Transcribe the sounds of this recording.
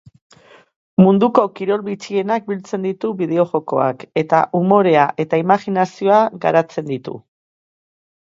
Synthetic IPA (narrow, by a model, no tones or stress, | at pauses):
mund̪uko̞kiɾo̞lβit͡sie̞nak̚bilt͡se̞nd̪it̪uβiðe̞o̞ʝo̞ko̞a̰ke̞t̪aʔumo̞ɾe̞aʔe̞t̪aimaxinasio̞aɡa̰ɾat͡se̞nd̪it̪ṵ